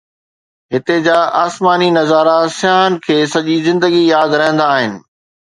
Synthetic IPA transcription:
ɦɪt̪ed͡ʑaːʔaːsmaːninɐzaːɾasɪjaːnkʰeːsɐʄizɪ̃nd̪əɡijaːd̪ɾɐɦə̃nd̪aːɦɪnɪ̆

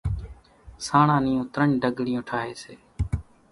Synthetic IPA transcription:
saːɳãːnɪːõːt̪ɾəɳɖəɡɽɪjõːʈʰaːɦeːseː

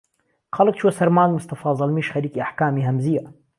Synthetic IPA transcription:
qʰɑːlak̚t͡ʃuwasaɾmaːnmʊst̪ɑfɑːzˤɑlmiːʃxaɾiːkiʔaħkaːmiɦamzija

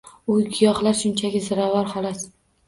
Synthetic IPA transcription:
ʊjɡʲijɒχlaɾʃʊnt͡ʃʰaɡʲɪzɪɾavaɾhɒlˠat̪

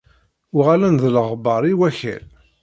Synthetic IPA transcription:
ʊʁalænðələʁbɑɾˤiwæçæ̰l

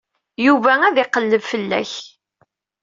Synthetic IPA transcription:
juvææðɪqəlːəvfəlːæ̰ç

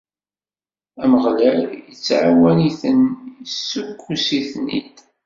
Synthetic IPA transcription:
æməʁlæljət͡sːʕawæniθənəsːukːusiθnḭd̪

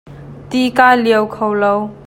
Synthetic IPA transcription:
t̪ikaːjliəwkʰowlow

